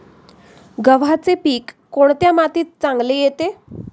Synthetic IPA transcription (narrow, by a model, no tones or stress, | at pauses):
ɡəʋat͡sepiːkːoɽt̪jamat̪iːt̪̚t͡saŋɡlejet̪e